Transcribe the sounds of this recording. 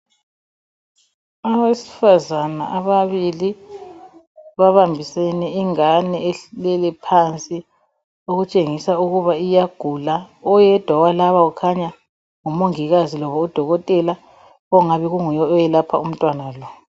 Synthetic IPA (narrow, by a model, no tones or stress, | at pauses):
aβesi̥fazana̰ʔaβaβili | βaβambʱisɛnɛiŋanɛɛɬlɛlɛpʰant͡sʼi | oɣut͡ʃʼeŋisauɣuβaijaɡ̥ʱulaɔjɛd̥ʱwawalaβaɣukʰaɲa | ŋumoŋiɣazilɔβɔud̥ʱɔɣɔtʼɛla | ɔŋaβiɣuŋujɔːjɛlapʰa̰um̩tʼwanalɔ